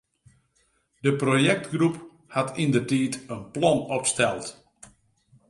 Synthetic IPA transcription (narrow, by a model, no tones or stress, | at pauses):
dəprojɛk̚tɡrup | hatindərtiːtənplɔnɔpstɛlˠt